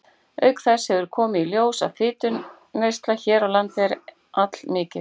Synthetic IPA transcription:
œɥkθɛshɛvʏɾ̥kʰɔːmɪiljoːwsa̰ðfɪːt̪ʏ | nejst̪laçɛːɾawlant̪ɛɾ | at̪l̥mɪːcɪ

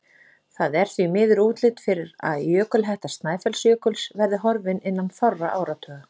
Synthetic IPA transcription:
θaðɛɾ̥θvimɪːðʏɾuːt̪lɪt̪fɪɾɪɾa̰ðjœːkʏlɦɛjht̪ast̪naːjfɛlsjœːkʏlsvɛɾðɪɦɔɾvɪnɪnːanθɔrːaʔaːwɾat̪ʰœːɣ

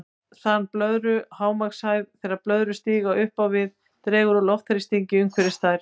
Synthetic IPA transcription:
θanːplœðɾʏhaːwmaksaːjvθɛːɾaplœðɾʏst̪iːɣaʔʏhpawvɪð | t̪ɾɛːɣʏɾɔlɔft̪haɾist̪iɲcɪʏŋkʰvɛɾɪst̪aːjɾ̥

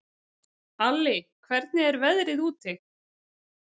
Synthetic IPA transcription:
alːɪkʰvɛɾt̪̚nɪɛɾvɛðɾɪðuːt̪ɪ

